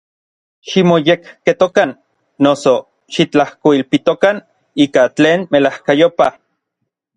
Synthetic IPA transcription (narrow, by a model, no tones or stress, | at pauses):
ʃimojekket̪okanː | oso | ʃit͡ɬahkoilpit̪okan | iːkat͡ɬeːnmelahkajopa